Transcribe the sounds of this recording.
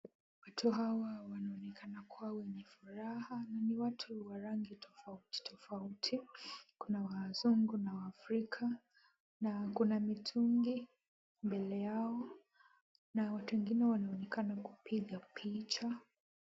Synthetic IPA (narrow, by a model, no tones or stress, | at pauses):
watʰuɦawawanaɔnɛkʰanakuawɛɲɛfuɾahananiwatʰuwaɾaŋɡitʰɔfauti̥tʰɔfautʰikunawaːzuŋɡunawaːfɾikʰa | nakunamitʰuŋɡi | mbɛlɛjaɔ | nawatuwɛŋɡinɛwanaɔnɛkanakupʰiɠapʰit͡ʃa